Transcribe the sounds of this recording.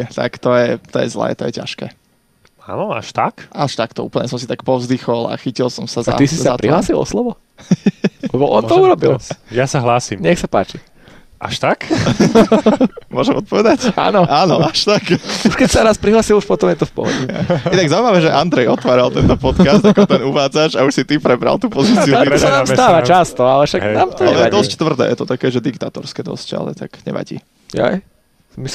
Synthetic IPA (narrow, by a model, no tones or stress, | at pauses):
t̪a̰kt̪ɔjɛt̪ɔjɛzlɛ̰ːt̪ɔjɛca̰ʃkɛ̰ː | a̰ːnɔa̰ʃt̪akʔaʃt̪akt̪ɔṵːpl̩ɲɛsɔmsit̪akpɔʊzd̪ixɔla̰xicilˠsɔmsaz̰t̪isizsaapɾʔiɦlaːsilˠɔ̰slɔʋɔ | lɛbɔʔɔnt̪ɔuɾɔbilˠjasaɦlaːsimɲɛxsapa̰ːt͡ʃi | ʔa̰ʃt̪ak | mʊɔʒɛmɔt̪̚pɔʋɛd̪aca̰ːnɔʔaːnɔaʃt̪akuʃkɛcsaɾaspɾiɦlaːsiluʃpɔt̪ɔmjɛt̪ɔfpɔ̰ɦɔ̰ɟɛ̰inaɡzaʊumaʋɛːʒɛʔand̪ɾɛjɔt̪ʋaːɾalˠt̪ɛnt̪ɔpɔt̪kast̪kɔt̪ɛnuʋaːd͡zaʒauʃsit̪ipɾɛbɾa̰lˠt̪uːpɔzit͡st͡siuɛtɔsanaːmst̪aːʋat͡ʃast̪ɔalɛfʃaknaːmt̪ɔlɛjɛd̪ɔsct̪ʋr̩d̪ɛ̰ːjɛ̰t̪ɔt̪akɛːʒɛd̪ikt̪aːt̪ɔɾskɛːd̪ɔ̰sca̰lɛ̰t̪akɲɛ̰ʋa̰ɟḭː | ɛ̰j | mis